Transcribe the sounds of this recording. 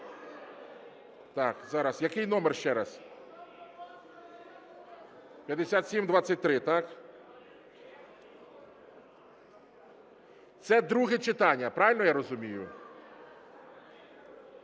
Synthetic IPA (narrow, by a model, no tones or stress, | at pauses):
t̪ɑkzɑɾɐsjɐkɪjnɔmɛrʃt͡ʃɛɾɐs | pʲjɐd̪esʲat̪sʲimd̪ʋat͡sʲːɐt̚ʲt̪ɾɪt̪ɑk | t̪sɛd̪ɾuɦɛt͡ʃɪt̪ɑnʲːɐpɾɑʋʲɪlʲnɔjaɾɔzʊmʲijʊ